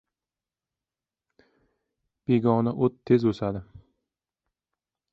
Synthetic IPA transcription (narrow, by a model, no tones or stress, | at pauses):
b̥eɡʲɒnaʔot̪ʰːezosad̪ɪ